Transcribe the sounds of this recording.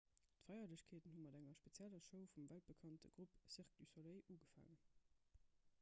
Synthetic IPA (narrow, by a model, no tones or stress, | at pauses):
tfɑɪɐləɕkʰeːtənhumɑdæŋɐʃpet͡sjælɐʃəʊfumvælt̚b̥əkʰɑntə̰ɡ̥ʁupsiʁk̚d̥ysoleɪʔuːɡəfa̰ːŋən